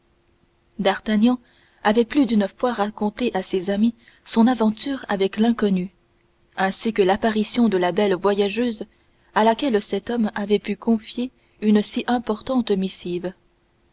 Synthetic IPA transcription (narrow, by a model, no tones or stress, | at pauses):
d̪aʁt̪anjɑ̃ | avɛplyd̪ynəfwaʁakɔ̃t̪eʔasezami | sɔ̃navɑ̃t̪yːʁavɛklɛ̃kɔny | ɛ̃sikəlapaʁisjɔ̃d̪əlabɛlvwajaʒøz | alakʲɛlsɛt̪ɔmavɛpykɔ̃fje | ynəsiʔɛ̃pɔʁt̪ɑ̃t̪misiːv